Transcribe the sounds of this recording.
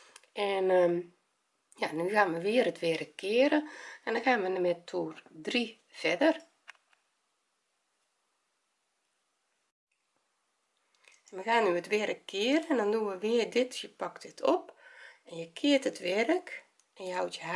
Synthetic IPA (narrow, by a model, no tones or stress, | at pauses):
ɛnə | janyxaːnʋəʋɪərətʋɪrəkʰːɪəɾəɛndɔnxaːnʋənəmɛtʰuːrdri | fɛdər | nməxaːnyətʋɪɾəkːɪəɾəɛndɔnduʋəʋɪərdɪtjəpaktɪtʰɔpɛnjəkʰɪərtətʋɛɾək | ɛnjəhɔwtjə